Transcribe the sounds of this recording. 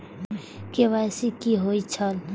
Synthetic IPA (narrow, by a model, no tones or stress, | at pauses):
keʋasikiɦoit͡ʃʰəl